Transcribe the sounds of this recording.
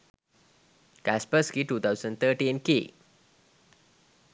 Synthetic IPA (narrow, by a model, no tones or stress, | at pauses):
kæspəskiʈuːt̪ʰawzəɳɖt̪ʰəʈiːnke